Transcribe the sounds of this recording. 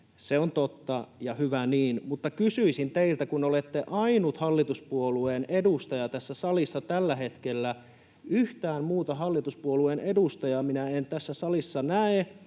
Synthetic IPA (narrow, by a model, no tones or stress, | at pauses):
seont̪ot̪ːɑjɑhyʋæniːnmut̪ːɑkysyisint̪eilt̪ækunolet̪ːeʔɑinut̪hɑlːit̪uspuoluenedust̪ɑjɑt̪æsːæsɑlisːɑt̪ælːæhet̪kelːæ | yht̪æːmmuːt̪ɑhɑlːit̪uspuoluenʔedust̪ɑjɑminæent̪æsːæsɑlisːɑnæe